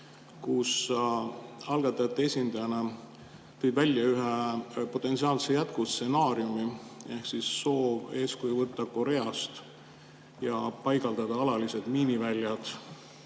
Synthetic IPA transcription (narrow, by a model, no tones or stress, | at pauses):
kus | ɑlɡ̥ɑt̪ːˑɑjɑt̪ːˑee̞sʲind̪̥ɑjɑne | t̪ɤjbvælʲːjɑyɦepo̞t̪ːˑe̞nt̪siɑːlsejæt̪̚kustse̞nɑːɾjumie̞hksisːo̞ːve̞ːskujvɤt̪ːɑko̞ɾe̞ɑst̪ | jɑpɑjɡ̥ɑld̪ɑd̪̥ɑɑlɑlise̞d̪̥miːnivælʲːjɑd̪̥